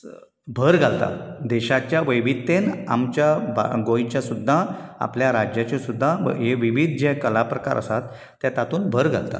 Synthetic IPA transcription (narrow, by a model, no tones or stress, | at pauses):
bʱəɾɡʱalt̪a̰d̪ɛɕat͡ɕjaʋəjʋit̪ːena̰mt͡ɕjab̰ɡõjt͡ɕjasud̪ʱːaa̰pljaɾad͡ʑjat͡ɕesud̪ʱːa̰ɦeʋiʋid̪ʱd͡ʑekəlapɾəka̰ɾʔə̰sat̪ː | jat̪at̪uːnbʱəɾɡʱa̰lt̪a̰